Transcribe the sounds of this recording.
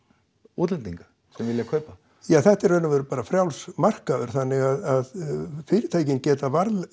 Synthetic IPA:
uːt̪lɛnt̪iŋkḁ | sɛmvɪljakʰœːɥpa | jaːθɛht̪ɛɾœːnavɛɾpaːɾafɾjawlsmar̥kaðʏɾ̥θanːɪɣaðaðfɪːɾɪt̪ʰaːjcɪncɛːt̪avaɾl

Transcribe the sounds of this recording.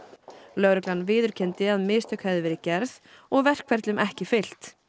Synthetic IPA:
lœɣɾʏklanvɪːðʏɾ̥cʰɛnt̪ɪaðmɪst̪ʰœkhajðɪvɪɾɪcɛɾð | ɔɣvɛr̥kʰvɛɾt̪lʏmʔɛhcɪfɪl̥t̪

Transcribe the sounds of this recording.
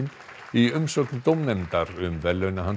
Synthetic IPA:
n | iʏmsœknt̪owmnɛmt̪aɾʏmvɛlːœnaɦan

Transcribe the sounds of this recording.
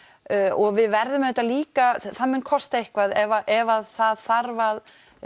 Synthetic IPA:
ɔɣvɪðvɛɾðʏmðɛt̪ːaliːkaθaðmʏnkʰɔst̪aehkvaðɛvaʔɛvaðθaðθaɾvað

